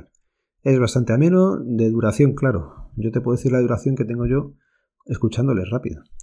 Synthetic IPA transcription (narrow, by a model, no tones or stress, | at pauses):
e̞zβast̪ant̪e̞amẽ̞no̞d̪e̞ðuɾaθjo̞ŋklaɾo̰ɟ͡ʝot̪epweθiɾlaðuɾaθjo̞ŋke̞t̪e̞ŋɡo̞ʝo̞ | e̞skut͡ʃand̪o̞le̞rapḭðo